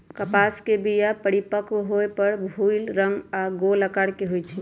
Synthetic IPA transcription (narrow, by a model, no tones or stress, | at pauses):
kəpaskebijapəɽipəkwɦoepəɾbʱujlɾəŋɡaɡoləkaɽkeɦojt͡ʃʰi